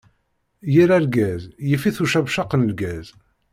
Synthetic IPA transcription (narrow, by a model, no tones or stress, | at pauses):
jiɾæɾɡæzjifiθuʃævʃɑqːənəlɡæz